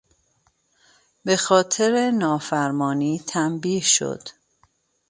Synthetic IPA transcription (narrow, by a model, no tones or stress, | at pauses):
be̞xɒːt̪ʰe̞ɾenɒːfæɾmɒːniːt̪ʰæmbiːhʃo̞̰d̪̥